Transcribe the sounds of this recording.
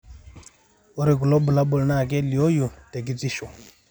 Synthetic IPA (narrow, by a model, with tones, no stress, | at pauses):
u˦ɾi˨ku˨lɔ˦bu˨la˦bɔ˨lna˦˨k̬ɛ˦li˨o˦ju˨te˨ɡi˨d͡zi˦˨ʃɔ˨